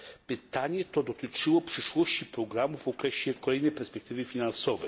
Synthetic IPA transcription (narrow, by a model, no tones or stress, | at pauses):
pit̪anʲiɛt̪ɔd̪ot̪it͡ʂilˠɔpʂɛʃlˠɔscipɾoɡɾamufokɾɛʃɛkolɛjnɛpɛɾspɛk̚t̪ivifinansɔvɛ